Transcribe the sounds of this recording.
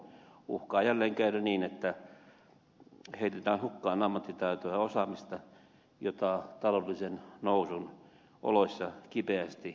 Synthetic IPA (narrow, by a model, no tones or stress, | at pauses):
ṵhkɑːjælːeːŋkæyræniːnet̪ːæ | heit̪et̪æːnhukːɑːnɑmːɑt̪ːit̪æyt̪oæosɑmist̪ɑ | jot̪ɑt̪ɑlolːisennousun | ʔo̰losʲːɑkipeæst̪i